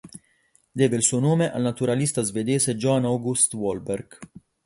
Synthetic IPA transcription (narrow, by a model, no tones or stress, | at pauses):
d̪ɛːvelsuːnoːmeʔɐlnɐt̪uɾɐlist̪ɐzvɛd̪eːsed͡ʒɔnɐwɡust̪wɔlbɛɾɡ